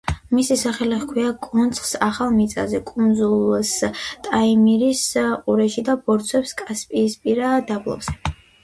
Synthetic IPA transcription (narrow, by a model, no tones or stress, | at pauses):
misisaχɛlɛχkʰwiakʼunt̪sʰʼχsaχalˠmit̪sʼa̰zɛkʼund̪zulˠst̪ʼaimiɾisqʼuɾɛʃid̪abɔɾt̪sʰwɛpskʼaspʼiːspʼiɾad̪ablˠɔ̰bz̥ɛ